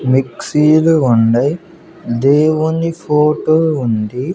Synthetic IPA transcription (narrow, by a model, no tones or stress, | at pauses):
miksiːlʊɳɖɐɪ | d̪eːʋunifoːʈoːuɳɖi